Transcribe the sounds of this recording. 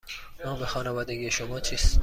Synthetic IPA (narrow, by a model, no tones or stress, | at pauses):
mɔːbexɒːnɒvɒːd̪eɡijeʃomɒːt͡ʃʰiːst̪